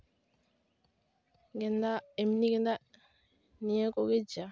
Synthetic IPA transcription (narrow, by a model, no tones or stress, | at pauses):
ɡendaemniɡenda | nijekoɡed͡ʒa